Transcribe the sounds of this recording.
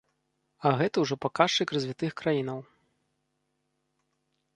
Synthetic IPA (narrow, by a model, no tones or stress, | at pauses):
ɐɣɛt̪ɐwʐɔpakaʂt͡ʂɨkrɐzʲvʲit̪ɨxkɾajinɐw